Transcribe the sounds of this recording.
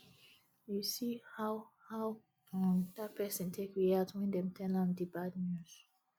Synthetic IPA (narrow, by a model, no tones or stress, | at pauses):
jusihaʊhaʊ | adat̚pʰɛsə̃ntʰekiatwɛ̃ndɛ̃mtʰɛlãdibadnjuz̥